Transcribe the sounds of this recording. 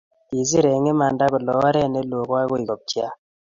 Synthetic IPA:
ti˨zi˦ɾe˨ŋe˦ma˨nda˦kɔ˨lɔ˨˦wa˦ɾɛ˦˨ne˦lo˨kwa˦kɔ˦i˨kɔ˨p̚t͡ʃja˦

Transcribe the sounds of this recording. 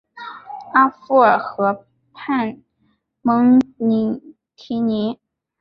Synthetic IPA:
a˥fu˥˩˨xɤ˧˥ | pʰa˥˩n | mɤ˧˥ŋni˧˥˩ | t̪ʰi˧˥ni˧˥

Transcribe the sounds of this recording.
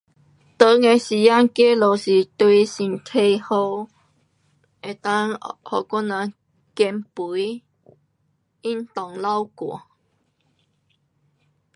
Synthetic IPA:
t̪ə˧˦ŋe˧˩ɕi˨˩ja˦˧ŋke˦lo˨˩si˨˩t̪we˧si˨˩nt̪ʰe˧jho˧ | e˨˩t̪a˦ŋhɔ˨˩ka˦˥na˧ | kɛ˧mpu˨˦j | i˦nt̪ɔ˨˩ŋla˦wkwɔ˨˩˨

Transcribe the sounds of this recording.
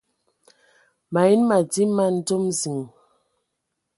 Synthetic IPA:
ma˨i˦nma˨d͡zi˦ma˦˨n̩˦do˦mzi˨ŋ˨

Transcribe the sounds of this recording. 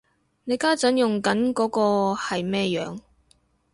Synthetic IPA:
ne˨˧jkaː˥t͡sɐ˨˥njʊ˨ŋkɐ˨˥nkɔː˨˥kɔː˧hɐ˨jmɛː˥jœ̰ː˨˧ŋ

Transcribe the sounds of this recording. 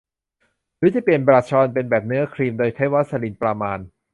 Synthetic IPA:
ɾɯː˦˥t͡ɕa˨˩pi˨˩ənbɾaː˧˩t͡ɕʰɔː˧npe˧nbɛː˨˩p̚nɯ˦˥ɐkʰɾiː˧mdoː˧jkʰaː˦˥˩jwa˦˥t̪̚sa˧li˨˦npɾa˧maː˧n

